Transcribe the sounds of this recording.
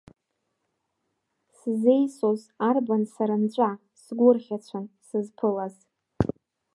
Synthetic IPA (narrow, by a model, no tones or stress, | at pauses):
sze̞jsozarbansaɾant͡ɕʷʼa | sɡʷʊrχʲat͡ɕʷʰansɨzpʰɨlaz